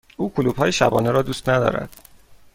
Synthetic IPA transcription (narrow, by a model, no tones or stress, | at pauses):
ʔuːkʰoluːb̥hɒːjeʃæbɒːneɾɒːd̪uːst̪næd̪ɒ̰ːɾæ̰d̪̥